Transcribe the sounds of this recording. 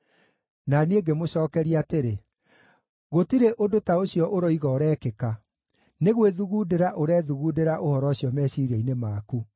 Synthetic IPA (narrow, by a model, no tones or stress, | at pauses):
naneːɡemoɕɔːkɛɾiateɾe | ɣotiɾeʔodotaoɕijɔʔoɾɔiɣɔːɾɛːkeka | neɣweðuɣudeɾaʔoɾɛːðuɣuːdeɾaʔohɔɾɔɕijɔmɛːɕiːɾɛinemaːku